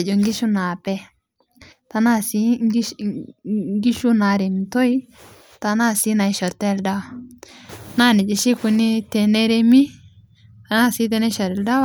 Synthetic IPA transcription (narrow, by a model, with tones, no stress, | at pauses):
e˨d͡ʒo˨ŋɡi˦ʃu˦na˨pɛ˦ | ta˨na˦˨si˦ | ŋɡi˦ʃu˦na˨ɾe˨m˨to˦i˦ | ta˨na˦si˦na˨i˨ʃɔ˨ɾtɛ˦˨lda˦wa˨ | na˦nɪ˨d͡ʒe˨ʃi˦ku˦ni˦tɛ˨ne˦ɾe˦mi˦ | ta˨na˦si˦t̬ɛ˦nɛ˦ʃɔ˨ɾɛ˨lda˦w